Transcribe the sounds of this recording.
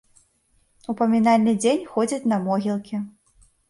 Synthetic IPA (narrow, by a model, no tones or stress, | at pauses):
upɐmʲinalʲnɨd͡zʲenʲxɔd͡zʲɐt͡sʲnɐmɔɣʲilˠkʲi